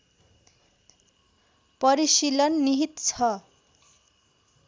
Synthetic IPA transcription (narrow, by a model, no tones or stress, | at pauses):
pʌɾisilʌnːiɦit̪t͡sʰʌ